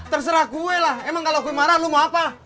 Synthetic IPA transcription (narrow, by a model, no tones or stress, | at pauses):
t̪ərs̬əɾahkuwelahɛmaŋkalokuemaɾalumaapa